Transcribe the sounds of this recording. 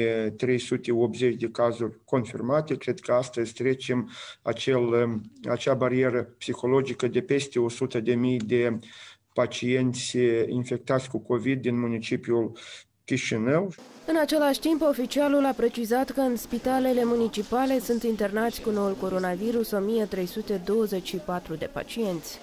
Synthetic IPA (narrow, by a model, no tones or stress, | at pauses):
et̪ɾe̞jsut̪e̞op̪ze̞t͡ʃʲd̪e̞kazurʲko̞nfirmat̪e̞kɾe̞d̪kəast̪əzʲt̪ɾe̞t͡ʃema̰t͡ʃe̞la̰t͡ʃabaɾie̞ɾəpsixo̞lo̞d͡ʒikəd̪e̞pe̞st̪e̞o̞sut̪əd̪e̞mijd̪e̞ | pat͡ʃije̞nt̪sʲḭnfe̞k̚t̪at̪sʲkuko̞vid̪̚ːinmunit͡ʃipiul | kʲiʃinəwɨnat͡ʃe̞laʃʲt̪impo̞fit͡ʃialulapɾe̞t͡ʃizat̪kəɨnspit̪ale̞le̞munit͡ʃipale̞sunt̪int̪e̞rnat̪sʲkuno̞ulko̞ɾo̞naviɾuso̞mije̞t̪ɾe̞jsut̪e̞d̪o̞wəze̞t͡ʃʃipat̪ɾud̪e̞pa̰t͡ʃie̞nt̪sʲ